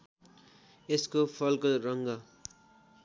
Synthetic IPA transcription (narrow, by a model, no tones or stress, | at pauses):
eskopʰʌlkoɾʌŋɡʌ